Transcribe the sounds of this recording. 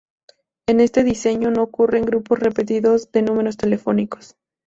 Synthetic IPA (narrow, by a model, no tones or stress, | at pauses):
e̞ne̞st̪e̞ðise̞ɲo̞no̞okure̞ŋɡɾuposre̞pe̞t̪̬iðo̞zðe̞nũme̞ɾo̞st̪e̞le̞fo̞niko̞̥s